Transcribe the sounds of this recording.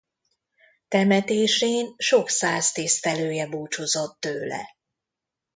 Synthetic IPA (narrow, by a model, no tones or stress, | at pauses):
t̪ɛmɛt̪eːʃeːnʃo̞ksaːst̪eːst̪ɛløːjɛbuːt͡ʃozot̪ːøːlɛ̰